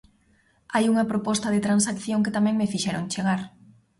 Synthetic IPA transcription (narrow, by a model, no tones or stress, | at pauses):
ajuŋɐpɾopɔst̪ɐðɪt̪ɾansakθjoŋkɪt̪amɛ̃ŋmefiʃɛɾoŋt͡ʃeɣaɾ